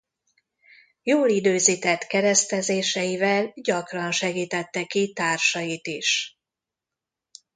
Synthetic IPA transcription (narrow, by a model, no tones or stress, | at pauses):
joːlid̪øːziːt̪ɛt̪kɛɾɛst̪ɛzeːʃɛjivɛlɟɒkrɒnʃɛɡiːt̪ɛt̪ːɛkit̪aːrʃɒjit̪iʃ